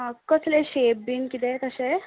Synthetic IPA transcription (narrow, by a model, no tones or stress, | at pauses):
akːəsleɕebiŋkit̪et̪əse